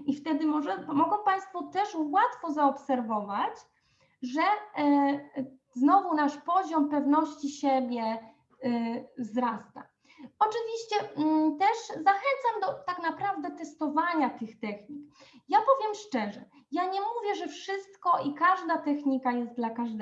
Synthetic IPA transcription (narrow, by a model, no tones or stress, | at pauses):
ift̪ɛd̪ɘmɔʐɛmɔɡɔw̃paj̃st̪fɔt̪ɛʂwat̪fɔzaɔpsɛɾvɔvat͡ɕ | ʐɛ | znɔvunaʂpɔʑɔmpɛvnɔɕt͡ɕiɕɛbʲjɛ | zɾast̪a̰ | ɔt͡ʂɘvʲiɕt͡ɕɛt̪ɛʂzaxɛnt̪samd̪ɔt̪aknapɾavd̪ɛt̪ɛst̪ɔvaɲat̪ɘxt̪ɛxɲikjapɔvʲjɛmʂt͡ʂɛʐɛ | jaɲɛmuvʲjɛʐɛfʂɘst̪kɔikaʐd̪at̪ɛxɲikajɛst̪d̪lakaʐd̪ɛ